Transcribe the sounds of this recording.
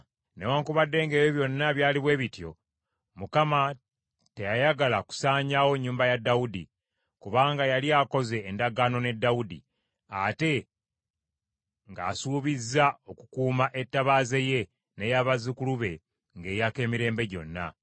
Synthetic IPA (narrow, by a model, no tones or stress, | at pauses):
ne̞waːŋkuβadːe̞ːŋɡe̞ːjoβjo̞nːaβjaːliβwe̞ːβitjo̞ | mukama | te̞jajaɡalaku̥saːɲaːwo̞ɲːuːmbajadːaudi | kuβaːŋɡajalijaːko̞ze̞ːndaɡaːno̞ne̞dːawudḭ | ate̞ | ŋɡaːsuːβizːao̞kukuːmaʔe̞tːaβaːzeje̞ | ne̞jaβazikuluβe̞ | ŋɡe̞ːjake̞ːmiɾe̞ːmbe̞ɟo̞̰nːa̰